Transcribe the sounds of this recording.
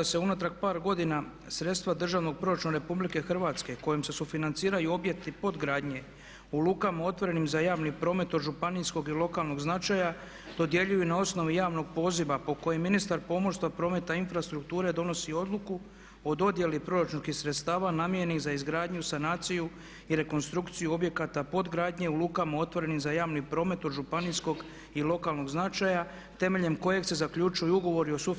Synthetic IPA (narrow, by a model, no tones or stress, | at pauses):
d̪aseunat̪ɾakpaːɾɡo̞d̪ina | sɾe̞t̪st̪ʋad̪r̩ʒaʋno̞ɡ̚pɾo̞ɾat͡ʃuneɾe̞publike̞xr̩ʋaːt̪ske̞ko̞jemse̞sufinant̪siːɾajuo̞bje̞k̚t̪ipo̞d̪ɡɾaːd̪ɲe̞ | ulˠuːkamao̞t̪ʋo̞ɾe̞nimzajaːʋnipɾo̞ːme̞t̪od̪ʒupanisko̞ɡilˠo̞kaːlˠno̞ɡznat͡ʃaja | d̪̥o̞d̪je̞ʎujunao̞sno̞ʋijaːʋno̞ɡ̚po̞ːziʋapo̞ko̞jemːinist̪aɾpo̞moɾst̪ʋapɾome̞t̪ainfɾast̪ɾukt̪uːɾe̞d̪o̞no̞sio̞d̪luku | o̞d̪o̞d̪je̞lipɾo̞ɾat͡ʃunskixsɾet̪st̪aːʋanaːmjeenixzaizɡɾaːd̪ɲusanaːt̪siju | iɾe̞ko̞nst̪ɾukt̪sijuo̞bje̞kat̪apo̞d̪ɡɾaːd̪ɲe̞uluːkamao̞t̪ʋo̞ɾe̞nixzajaːʋnipɾo̞ːme̞t̪o̞d̪ʒupanisko̞ɡ | ilˠo̞kalˠno̞ɡznat͡ʃaja | t̪e̞me̞ʎe̞mko̞je̞ɡse̞zakʎut͡ʃujuuɡo̞ʋo̞ɾio̞su